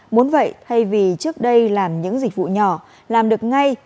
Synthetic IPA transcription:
mo˨˦nvə̰˧˨jt̪ʰa˧jvi˨˩t͡ɕɨ˦˥ək̚ɗə˧jlaː˨˩mɲɨ̰˧˥ŋzi˨˩k̟̚vṵ˧˨ɲɔ˨˧˩ | laː˨˩mɗɨ˨˩ək̚ŋa˧j

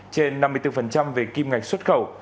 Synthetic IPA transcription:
t͡ɕe˧nːa˧mːɨ˧jt̪ɨ˧fə˨˩nt͡ɕa˧mve˨˩ki˧mŋa˨˩jk̟̚swə˦˥t̚xə˨˧˩w

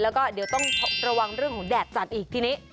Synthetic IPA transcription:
lɛː˦˥wkɔː˥˩di˩˦əwt̪ɔ˥˩ŋt̪ʰo˦˥k̚ɾa˧wa˧ŋɾɯ˥˩əŋkʰɔ˩˦ŋdɛː˨˩t̪̚sa˨˩t̪̚ʔiː˨˩t̪ʰiː˧niː˦˥

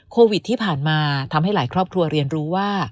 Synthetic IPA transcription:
kʰoː˧wi˨˩t̪ʰːiː˥˩pʰaː˨˩nmaː˧t̪ʰa˧mɦa˥˩jlaː˩˦jkɾɔː˥˩p̚kʰɾu˧ɐɾi˧ənɾuː˦˥waː˥˩

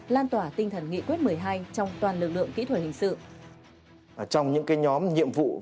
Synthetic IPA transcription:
laː˧nt̪waː˧˩t̪ï˧ŋ̟t̪ʰə˨˩nŋḭ˧˨kwi˦˥ət̚mɨ˨˩əjɦaː˧jt͡ɕɔ˧wŋ͡mt̪waː˨˩nlɨ˨˩k̚lɨ̰˧˨əŋkḭ˧˥t̪ʰə˧˩hï˨˩ŋ̟sɨ̰˧˨˩ | t͡ɕɔ˧wŋ͡mɲɨ̰˧˥ŋkaː˨˦jɲɔ˨˦mɲḭ˧˨əmvṵ˧˨

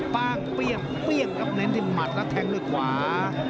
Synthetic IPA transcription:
paː˧ŋpi˧˩əŋ | pli˧˩əŋka˦˧˥p̚na˧˥ndi˧˩ma˨˩t̪̚lɛ˦˥˩t̪ʰɛ˧ŋdu˧˩˨jkʰwaː˩˦

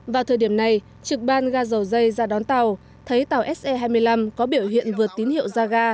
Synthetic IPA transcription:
vaː˨˩wt̪ʰəː˨˩jɗi˧˩əmna˨˩j | t͡ɕɨ˨˩k̚ɓaː˧nɣaː˧zə˨˩wzə˧jzaː˧˩ɗɔ˨˦nt̪a˨˩w | t̪ʰə˨˦jt̪a˨˩wʔɛ˦˥s̚ʔɛ˧ɦaː˧jmɨ˧əjla˧mkɔ˨˦ɓi˧˩əwɦḭ˧˨ənvɨ˨˩ətt̪i˨˦nhḭ˧˨ə˨wzaː˧ɣaː˧

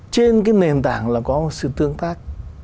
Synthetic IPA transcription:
t͡ɕe˧nkaː˨˦jne˨˩nt̪a̰ː˧˩ŋlaː˨˩kɔ˨˦mo˨˩t̚sɨ̰˧˨t̪ɨ˧əŋt̪aː˦˥k̚

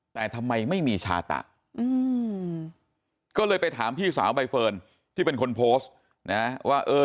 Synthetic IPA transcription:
t̪ɛː˨˩t̪ʰa˧mːa˧jma˥˩jmiː˧t͡ɕʰa̰ː˧t̪a̰˨˩ʔ | ʔɯː˧ | kɔː˥˩lɤː˧jpa˧jt̪ʰaː˩˦mpʰiː˥˩sa̰ː˩˦wba˧jfɤː˧n | t̪ʰiː˥˩pe˧nkʰo˧npʰoː˦˥st | na˦waː˥˩ʔɤː˧

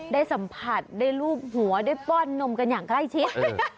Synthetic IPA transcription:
daː˥˩jsa˩˦mpʰa˨˩t̪̚daː˥˩jɾuː˥˩p̚hu˨˩˦ɐdaː˥˩jpɔː˥˩nːo˧mka˧njaː˨˩ŋkla˥˩jt͡ɕʰi˦˥t̪̚

